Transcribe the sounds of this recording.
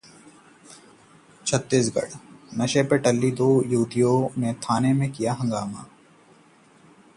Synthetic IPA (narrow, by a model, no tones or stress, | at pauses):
t͡ʃʰət̪ːisɡɐ̰ɽnɐʃepeːʈəlːid̪oːjuːd̪ijomẽt̪ʰaːnemẽkijaɦɐ̃ŋɡaːma̰ː